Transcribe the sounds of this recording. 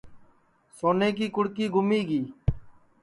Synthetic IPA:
soːneːkiːkʊɽkiːɡʱʊmiːɡiː

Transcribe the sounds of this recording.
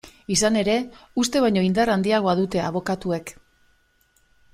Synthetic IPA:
isane̞ɾe̞ust̪e̞βajɲo̞ind̪arand̪iaɣ̞o̞aðut̪e̞aβ̞o̞kat̪ue̞k

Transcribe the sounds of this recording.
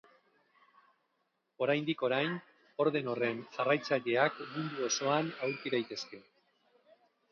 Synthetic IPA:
o̞ɾajnd̪iko̞ɾajn | o̞ɾð̞e̞no̞re̞nʝarajt͡saʎe̞akmund̪uo̞so̞anawɾkiðajt̪e̞ske̞

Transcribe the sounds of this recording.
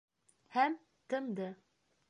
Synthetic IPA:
hæm | t̪ɤmd̪ɤ

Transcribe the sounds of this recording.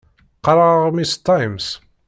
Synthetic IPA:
qɑɾˤɑʁmist̪ːɑjms

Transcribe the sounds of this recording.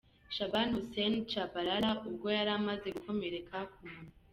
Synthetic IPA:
ʃabanusent͡ʃabaɾaɾaʔub̚ɡo̞jaɾamaze̞ɡukʰomeɾekʰakumun

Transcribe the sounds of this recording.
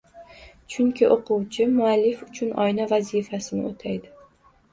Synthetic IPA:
t͡ʃʰʊŋkʲɪʔoqʰʊwt͡ʃʰɪmʊalːɪfʊt͡ʃʰʊnɒ̰jnavazifasɪnɪ̰ot̪ʰajd̪ɪ

